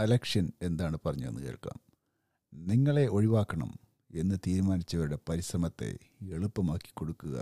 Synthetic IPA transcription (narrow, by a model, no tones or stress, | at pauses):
ɐlɐkʂɐne̞nd̪aːɳɨpɐrɐɲːuʋenːɨkḛːɭkːa̰ːm | niŋːɐɭe̞ʔo̞ɻiʋaːkːɐɳɐ̰m | e̞nːɨt̪iːɾumaːnit͡ɕːɐʋɐɾuɽe̞pɐɾisrɐmɐt̪ːe̞̰ | eɭupːɐmaːkːi̥kːo̞ɽukːuɣɐ̰